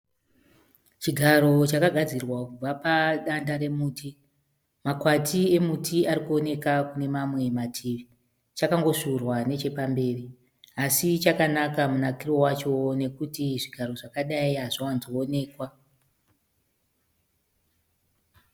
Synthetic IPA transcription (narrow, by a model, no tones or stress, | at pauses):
t͡ʃiɡʱaɾo̞t͡ʃakaɡʱad͡zirwakub͡vapaɗandaɾe̞muːti | makwatʰie̞mutʰiaɾikuo̞ne̞kakune̞mamwe̞matʰiːʋi | t͡ʃakaŋɡo̞ʂuːrwane̞t͡ʃe̞pambe̞ːri | asit͡ʃakanakamunakiro̞wat͡ʃo̞wne̞kutiʐiɡʱaɾo̞ʐakaɗaiɦaʐowanzoone̞ːkwa